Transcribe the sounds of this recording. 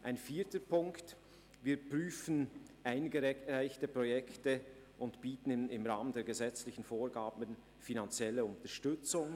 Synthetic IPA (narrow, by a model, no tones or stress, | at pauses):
ʔaɪnfiːtəpʰʊŋkt | viːpʁyːfən̩ʔaɪnɡəʁaɪçtəpʁɔjɛktə | ʔʊntb̥iːtn̩ɪmʁaːməndeːɐɡəzɛt͡slɪçn̩foːɾɡaːbən | finant͡sjɛləʊntəʃtʏt͡sʊŋ